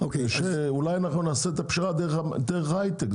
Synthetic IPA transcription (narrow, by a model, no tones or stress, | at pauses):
okeʃeulajanaχnunaːseet̪apʃiʁad̪eʁad̪eʁeχhajt̪ek